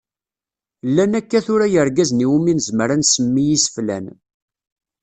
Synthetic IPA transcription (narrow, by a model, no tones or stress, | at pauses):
lːænækːæθʊɾæjəɾɡæzniwuminzmɾænsəmːijisə̥flæ̰n